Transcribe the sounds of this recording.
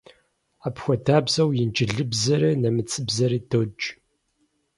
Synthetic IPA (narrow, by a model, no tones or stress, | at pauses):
aːpxʷɐdʰaːbzɐwjɪnd͡ʒʼɪɮɨbzɐɾinɐmɨt͡sʼɨbzɐɾiːdod͡ʒʼ